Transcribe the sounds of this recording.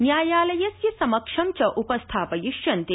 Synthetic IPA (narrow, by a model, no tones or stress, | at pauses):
njaːjaːlɐjɐsjɐsɐmɐkʂɐmt͡ʃɐʔupɐst̪ʰaːpɐjiʃjɐnt̪e